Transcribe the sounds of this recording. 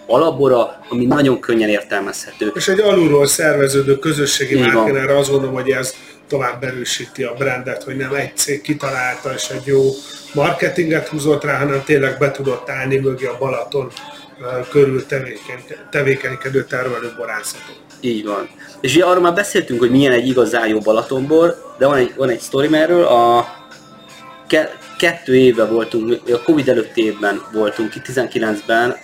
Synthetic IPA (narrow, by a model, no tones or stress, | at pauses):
ɒlɒboɾɒɒminɒɟo̞ŋkʰøɲːɛneːrt̪ɛlmɛshɛt̪øːeːʃɛɟːɒluɾoːlsɛrvɛzøːd̪øːkø̞zø̞ʃːeːɡimːaɛnɛrɛɒzɡond̪olomɦo̞ɟɛz | t̪o̞vaːbːɛɾøːʃiːt̪iɒbrɛnd̪ɛt̪ho̞ɟnɛmɛɟ̚t̪seːkːit̪ɒlaːlt̪ɒeːʃɛɟjoːmɒrkɛt̪iŋɡɛt̪huːzo̞t̪raːɦɒnɛmt̪eːnlɛɡ̚bɛt̪ud̪o̞t̪ːaːlnimøɡiɒbɒlɒt̪o̞n | køɾylt̪ɛveːkɛɲt̪ɛveːkɛɲkɛd̪øːt̪ɛrmɛløːbɒɾaːsɒt̪o | iːɟʋɒn | eːʃuɟɛɒroːlmaːrbɛseːlt̪yŋkho̞ɟmiɛnɛɟːiɡɒzaːjjoːbɒlɒt̪o̞mboːrd̪ɛvɒnɛɟvɒnɛcst̪o̞ɾimɛrːøːlɒ | kɛ | kɛt̪ːøːeːvbɛvo̞lt̪uŋkmimiɡɒko̞vid̪ɛløt̪ːieːvbɛnvo̞lt̪uŋkt̪ːizɛŋkilɛnzbɛn